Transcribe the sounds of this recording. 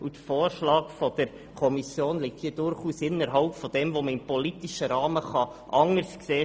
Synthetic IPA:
ut̪foːɾʃlɑːkfɔd̥əɾ | kʰɔmisjoːnlik̚t̪hiːd̥ʊɾχuːsɪnːəɾɦɑʊpfɔd̥ɛmvoməɪmpɔlit̪iʃəɾɑːməχɑ | ʔɑŋəɾskseː

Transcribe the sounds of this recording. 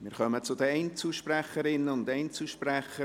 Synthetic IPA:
mɪːɾχœmət͡sʊd̪əɛɪnt͡suʃpræχəɾɪnːəʊndɛɪnt͡suʃpræχə

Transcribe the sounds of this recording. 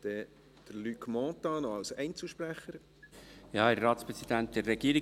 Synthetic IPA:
d̪̥ɛ | d̪̥əɾlykmɔ̃ːt̪ɑːnoɑlsɛ̰ɪnt͡sl̩ʃpɾæχəɾ | jɑːɛɾːɑːt̪spɾɛsid̪ænt̪̚d̪ɛɾːɛɡ̥iːəɾi

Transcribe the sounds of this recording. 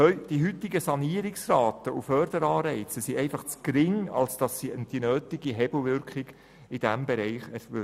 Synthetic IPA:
œʏd̥iɦʏtɪɡəsɑniəɾɪksɾɑːt̪əufœːrdəɾɑːɾɛɪt͡səsiɛɪfɑχt͡skɾɪŋɑ̰lsd̥ɑsid̥inøːt̪ɪɡiɦɛbl̩ʋʏɾkχɪɡ | ɪd̥æmbɛɾɛɪχɛɾø

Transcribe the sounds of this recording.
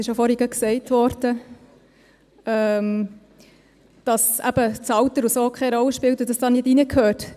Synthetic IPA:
ɪʃjofɔɾɪɡəksɛɪtʋɔɾd̥ə | ɛm | d̥ɑsæ̰b̥ət͡sɑwt̪əɾusoːkʰχɛɪɾɔlːəʃpɪlt̪ɪdɑsd̥ɑnɪtinəkʰøːt

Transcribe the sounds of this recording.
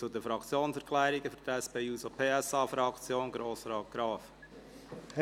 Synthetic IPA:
t͡sud̪əfɾɑkt͡sjoːnsɛɾkʰlæːɾiɡ̥əfyɾd̪æspeːuːsopʰeːɛsɑːfɾɑkt͡sjoːnɡɾoːsɾɑːt̚ɡ̥ɾɑːf

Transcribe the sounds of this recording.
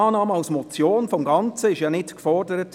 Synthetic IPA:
ɑːnɑːməɑʊsmɔt͡sjoːnfɔmɡɑnt͡səɪʃjɑnɪtkfɔrdəɾət

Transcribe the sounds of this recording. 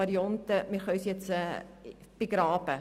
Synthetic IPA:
ɐɾiɔntəmirχœɥsjɛtsə | piɡɾɑːpə

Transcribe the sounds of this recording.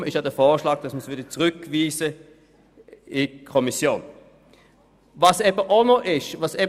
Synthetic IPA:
ɪʃjaːdɛfɔːʃlɑːɡ̥̚d̥ɑsməsʋʏɐdət͡sʁʏkviːzə | ɪkʰɔmisjoːn | vɑsɛbəʔonɔʔɪʃvɑsɛb

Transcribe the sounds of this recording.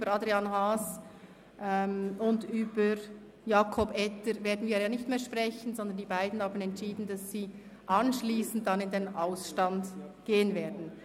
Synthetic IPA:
bəɾɑdɾianɦaːs | ʔɛmʊndyːb̥əɾ | jaːkʰɔbɛtəɾveːɐdn̩viːjaːnɪçtmeːɐʃpʁɛçən̩zɔnd̪əndiːbaɪdn̩haːbn̩ɛntʃiːdn̩dɑsːiː | ʔɑnʃliːsn̩t̚tːanɪndenaʊsʃtandɡ̥eːənveːɐdn̩

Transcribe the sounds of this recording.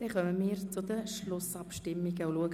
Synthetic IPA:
d̥ɛχœməmɪːɾt͡sʊd̪əʃlʊsɑpʃtɪmːiɡəʊluəɡ

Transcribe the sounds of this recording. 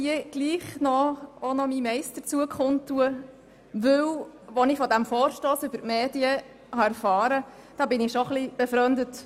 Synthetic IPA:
iəɡ̥liːχnɔonɔmimɛɪst̪ət͡suəkχʊnt̪ːuə | ʋɵwʋɔnɪfɔd̪æmfɔːɾʃtoːsʉbəɾtmeːdiə | hɑæɾfɑːɾə | d̥ɑːbɪnɪʃoχlib̥ɛfɾœnd̪ət

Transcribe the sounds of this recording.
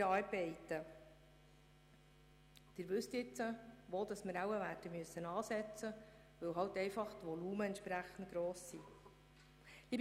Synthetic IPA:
ɑːɾb̥ɛɪtə | d̥ɪːɾʋɵst̪jɪt͡səʋoːld̥̪ɑsməɾæwəʋætəmyəsːənɑːsɛt͡sə | ʋɵwɦɑwtɛɪfɑχt̪ʋɔluːməɛntʃpɾæχən̩t̚ɡ̥ɾoːsːi | liːb

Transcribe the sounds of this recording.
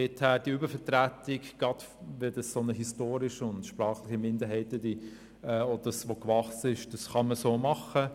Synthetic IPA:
ɛtʰhæːɾd̥iybəɾfɛtɾætɪkɡ̥ɑd̥ | ʋɛdɑssonəɦistoːɾɪʃəʊndʃpɾɑːχlɪχimɪndəɾɦɛɪtədi | ɛɔd̥əsʋokvɑχsɪʃd̥ɑsχɑməsoːmɑχə

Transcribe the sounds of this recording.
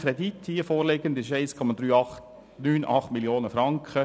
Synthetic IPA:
kɾɛd̪it̪hiːəfoːɾleɡənd̪ɪʃɛɪskʰɔmɑd̪ɾyːɑχt | nyːnʔɑ̰χt̪mɪljoːnəfɾɑŋkχə

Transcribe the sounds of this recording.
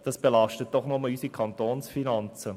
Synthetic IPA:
d̥ɑsb̥elɑʃtət̚d̥ɔχnɔməlysikʰɑntoːnsfinɑnt͡sə

